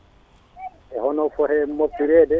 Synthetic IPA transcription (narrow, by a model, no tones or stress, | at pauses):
ʔɛhɔnɔfɔhɛmopːiɾɛːdɛ